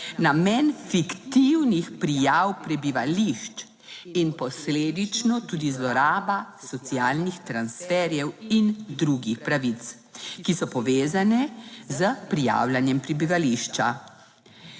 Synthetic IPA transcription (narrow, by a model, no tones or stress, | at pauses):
namɛnfikt̪iwnixpɾijawpɾɛbiʋaliʃt͡ʃ | inpɔsleːd̪it͡ʃnɔt̪uːd̪izlɔɾaːbasɔt̪siaːlnixt̪ɾansfɛɾjɛwind̪ɾuɡixpɾaʋit̪s | kisɔpɔʋeːzanɛzəpɾija̰ːwlanjɛmpɾibiʋaliʃt͡ʃa